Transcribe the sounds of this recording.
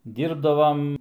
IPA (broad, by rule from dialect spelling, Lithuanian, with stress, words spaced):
ˈdʲiːrbdɐʋɐm